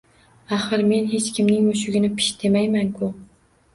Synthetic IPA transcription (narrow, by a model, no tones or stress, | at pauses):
aχɨɾme̞nɦe̞t͡ʃkʲɪmnɪŋmoʃʊɡʲɪnɪpʰɪ̥ʃd̪ʰe̞majmankʰʊ